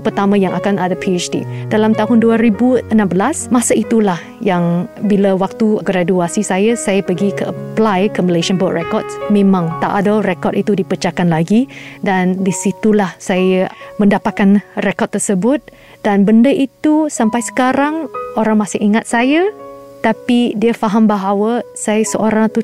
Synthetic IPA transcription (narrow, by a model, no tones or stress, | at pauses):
pərt̪amãjaŋʔakanadapʰiet͡ʃdḭdalamt̪aɦʊnduaɾibuənãmbəlasmasait̪ulah | jaŋbilawak̚t̪uɡɾaduasisajasajapəɡikəəplajkəməleʃənbɔtrɛkɔd̚smẽmãŋt̪a̰ʔadarekɔtit̪udipət͡ʃakanlaɡidandisit̪ulahsajamə̃ndapat̪̚kanrekɔt̪̚t̪ːərsəbʊt̪̚ | danbəndəʔit̪usampajsə̥kaɾaŋoɾaŋmãsɪhiŋat̪̚sajat̪apidiafaɦambaɦawəsajasəʔoɾaŋt̪u